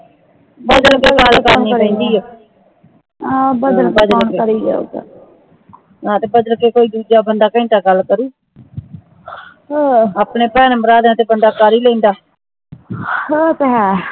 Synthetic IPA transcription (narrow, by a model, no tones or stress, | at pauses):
bəd̪əlkeːɡəlkəɾnĩːpɛ̃ːnd̪iːɛː | bəd̪əbəd̪əlkeəɾiːɛ̰ːd̪a̰ | nãːt̪eːbəd̪əlkeːkoːiːd̪uːd͡ʒaːbənd̪aːkĩːt̪aːɡəlkəɾiː | aːpneːpɛːnəməɾaːd̪ẽːt̪eːbənd̪aːkəɾiːlɛ̃ĩːnd̪aː | tɦɛ̃ː